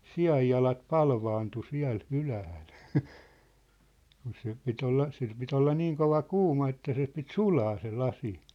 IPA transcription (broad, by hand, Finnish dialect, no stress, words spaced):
siɑjːɑlɑt pɑlʋɑːntu siæ̝l ylæhæl kun se pit olːɑ sil pit olːɑ niːŋ koʋɑ kuːmɑ etːæ se pit sulɑː se lɑsi